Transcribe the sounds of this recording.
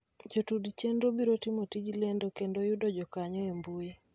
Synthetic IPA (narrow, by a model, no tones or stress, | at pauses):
d͡ʒotudt͡ʃendɾobiɾotimotid͡ʒlendokendojudɔd͡ʒɔkaɲɔembuje